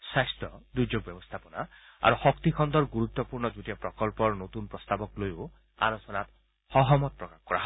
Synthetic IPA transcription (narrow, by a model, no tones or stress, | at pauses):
sajst̪ɔd̪ud͡ʒoɡ̚bjɔbɔst̪ʰapɔnaa̰ɾuxɔkt̪ikʰɔnd̪ɔɾɡuɾut̪ːɔpuɾɳɔd͡ʒuʈiɔpɾɔkɔlpɔɾnot̪unpɾɔst̪abɔklojo | a̰losɔnat̪ | hɔɦɔmɔt̪̚pɾɔkakkɔɾa̰ɦ